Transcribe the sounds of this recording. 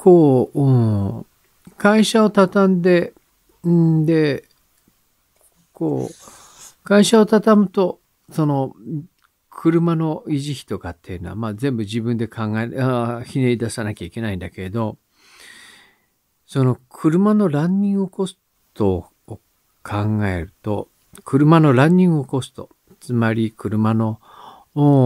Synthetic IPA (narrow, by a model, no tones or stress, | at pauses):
kʰoːɯ̃ | kaiɕao̞t̪at̪ãnd̪e̞ | d̪e̞ | ko̰ː | kaiɕao̞t̪at̪amɯ̟t̪o̞ | so̞no̞ | kʰɯ̟ɾɯ̟mano̞iʑiçʲi̥t̪o̞kat̪ːe̞jɯ̟no̞βa̰mazẽ̞mbɯ̟ʑibɯ̟̃nd̪e̞kʰãŋɡaçine̞id̪asanakʲaike̞naĩnd̪ake̞ed̪o̞ | so̞no̞kʰɯ̟ɾɯ̟mano̞ɾãɲːʲĩŋɡɯoko̞s | t̪oː | kʰãŋɡae̞ɾɯ̟t̪o̞̰ | kʰɯ̟ɾɯ̟mano̞ɾãɲ̟ːĩŋɡɯoko̞sɨ̥t̪o̞ | t͡sɨmaɾʲikɯ̟ɾɯ̟mano̞